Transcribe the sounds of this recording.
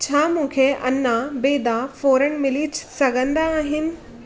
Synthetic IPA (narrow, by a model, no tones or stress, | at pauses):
t͡ɕʰaːmũːkʰeʔɐ̰nːãbeːd̪afoːɾəɽ̃mɪlit͡ɕsɐɡʱə̃nd̪aːɦɪnɪ̆